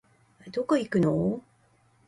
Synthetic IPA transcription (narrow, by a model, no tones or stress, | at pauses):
d̪okaikɯ̟no